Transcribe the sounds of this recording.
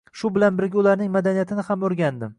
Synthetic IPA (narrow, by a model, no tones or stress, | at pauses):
ʃʊbɪlanbɪɾɡʲaʊlaɾnɪŋmad̪anijat̪ʰɪnɪhamɵɾɡʲand̪ɪm